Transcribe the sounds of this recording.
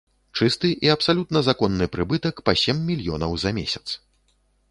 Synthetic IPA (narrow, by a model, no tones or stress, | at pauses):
t͡ʂɨst̪ɨʔiɐpsalʲut̪nɐzakɔnːɨpɾɨbɨt̪ɐkpɐsʲɛmːʲilʲjɔnɐwzɐmʲesʲɐ̥t̪s